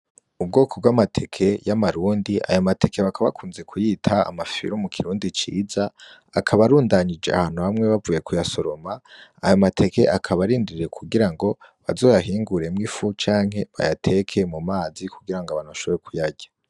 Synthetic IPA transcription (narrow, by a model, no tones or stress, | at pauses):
ub̚ɡo̞ːkʰo̞b̚ɡwamatʰe̞kʰe̞jamaɾuːndiʔa̰jomate̞kʰe̞βakʰaβakʰuːnze̞kʰujiːtʰaa̰mafḭɾumukʰiɾuːndit͡ʃḭːza | akʰaβaɾuːndaɲid͡ʒe̞̰a̰haːn̥huβamŋe̞βavuːjekujasoɾo̞maa̰jomatʰe̞ke̞̰ʔakʰaβaɾiːndiɾe̞kʰuɡiɾaŋɡo̞ | βa̰zo̞ːjaɦiːŋɡuɾe̞mŋifut͡ʃaːŋ̥ɦe̞βa̰jatʰe̞kʰe̞mumaːzikuɡiɾaŋɡoβanoʃoβeekʰujaɟḁ